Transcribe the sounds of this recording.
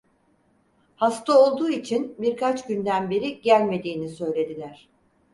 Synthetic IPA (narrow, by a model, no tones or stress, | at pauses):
hast̪ʰao̞lˠd̪uːit͡ʃʰinbiɾkʰat͡ʃɟynd̪ænbe̞ɾiɟælʲme̞d̪iːnisø̞jlʲe̞d̪ilʲæɾ̥